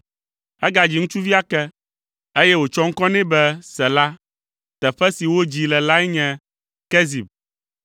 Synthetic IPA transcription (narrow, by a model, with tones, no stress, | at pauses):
ɛ˦ɡa˨d͡ʑi˨˦ŋũ˦t͡ʃu˦vi˦a˦kɛ˦ | e˦jɛ˦wo˨t͡ʃɔ˦ŋ̩˦kɔ̃˦nɛ̃˦bɛ˦sɛ˨la˦ | t̪ɛ˨ɸɛ˦si˨wo˦d͡ʑi˨lɛ˨la˦ɛ˦ɲɛ̃˨ | kɛ˦zi˨b̚